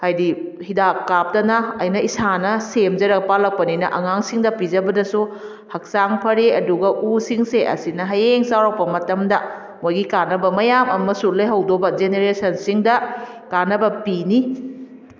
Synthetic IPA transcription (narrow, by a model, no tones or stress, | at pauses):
hajdi | hidakːap̚tɐnɐɐjnɐisanɐsemd͡ʒɐɾɐk̚palɐk̚pɐninɐ̰ʔɐŋaŋsiŋdɐpizɐbɐdɐsu | hɐk̚saŋpʰɐɾeɐduɡɐʔusiŋseʔɐ̰sinɐɦɐjeŋsawɾaw̚pɐmɐtɐmdɐ | mojɡikanɐbɐmɐjamɐmɐsulɐjɦɐwdobɐd͡ʒeneɾesɐnsiŋdɐkanɐbɐpini